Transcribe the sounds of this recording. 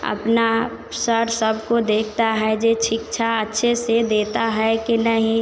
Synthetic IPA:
ə̰pna | səɾsəbʱkod̪eːkʰt̪aɦɛd͡ʒet͡ʃʰɪkt͡ʃʰaətːʃʰesed̪eːt̪aɦɛkinəɦĩ

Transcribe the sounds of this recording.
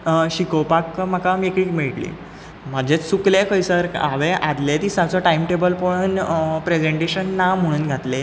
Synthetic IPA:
ɕikowpakm̤akamiekiːkmiɭʈlḭ | m̤əd͡ʑʱet͡ssuklekʰəjsəɾa̰ʋeʔad̪let̪iːsat͡sɔʈajimʈebəlpəɽ̃ənpɾed͡zeɳʈeɕənːam̤əɽ̃uːnɡʱat̪le

